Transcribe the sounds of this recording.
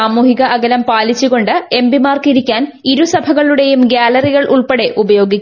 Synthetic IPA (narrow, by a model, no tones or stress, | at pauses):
aːmuːhiɣɐʔɐɡɐlɐmpaːlit͡ɕːuɣo̞ɳɖɨe̞mbimaːrkiɾikʲːaːn | iɾusɐbʱɐɣɐɭuɽe̞jumɡaːlɐriɣɐɭuɭpeɽe̞ʔubɐjo̞ːɡikʲː